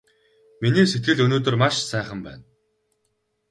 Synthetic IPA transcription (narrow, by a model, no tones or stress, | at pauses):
miniːmset̪̚ɡɘ̆ɮɵnoːt̪ɵ̆rmaʃsæːχə̆mpæ̰ːn